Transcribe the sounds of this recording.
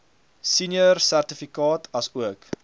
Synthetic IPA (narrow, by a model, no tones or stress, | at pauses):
sinjərsærtəfikɑːtʰɐsuək